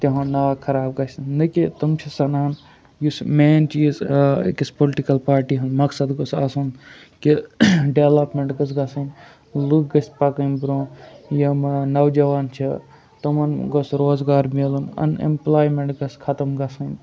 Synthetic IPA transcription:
t̪ɐɦãːnaːkʰɐɾaːb̚ɡɐsʲnɨkit̪ɐmt͡ʃʰɐsɐnaɐn | jusmeːnt͡ʃiːz̰kispolʈikɐlpaːɾʈiːɦɐnmɐksɐd̪ɡosa̰ːsun | kiɖeʋlɐpmeɳʈɡɐs̬ɡɐsɐn | lukɡɐsʲpɐkɐnbɾõːjɐmnɐwd͡ʒɐʋaːnt͡ʃʰi | t̪omɐnɡosɾoːzɡaːɾmelunɐ̰nḛmplaːjmeɳʈɡɐskʰɐt̪ɐmɡɐsɐnʲ

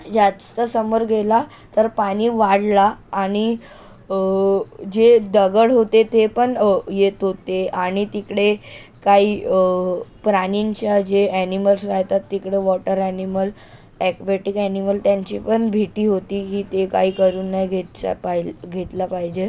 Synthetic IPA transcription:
d͡zast̪əsəmoɾɡʱela | t̪əɾpaɽ̃iːʋaɽlaːɽ̃i | d͡ʑed̪əɡəɽɦot̪et̪epəɳjet̪ɦot̪eaɽ̃it̪ikɽe | kaiː | pɾaniɲt͡ɕjad͡ʑeæniməlsɾajt̪at̪ːikɽeʋɔʈəɾɛniməl | ɛkʋeʈikɛniməlt̪jaɲt͡ɕḭpəɳbʱiʈiːɦot̪iːɦiːt̪eka̰iːkəɾuːnːajɡʱet̪t͡ɕa̰paɡʱet̪lapaɦid͡ʑe

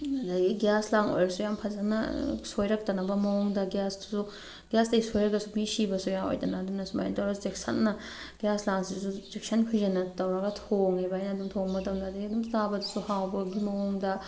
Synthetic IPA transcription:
dɐɡiɡjaslaŋo̰jɾɐsujampʰɐzɐnɐ̰sojɾɐk̚tɐnɐbɐmɐwɔŋdɐɡjastu̥su | ɡjastɐisojɾɐkɐsumisibɐsujaŋo̰jtɐnaːdumnɐsuma̰jntoɾɐsuzeksʰɐ̰nːɐ | ɡ̥ijaslaŋsisuzeksɐnkʰujzɐnɐtɐwɾɐɡɐtʰoŋebajnɐdumtʰoŋmɐtʰɐmdɐdɐɡiɐdumtabɐdusuhawbɐɡimɐwoŋdɐ

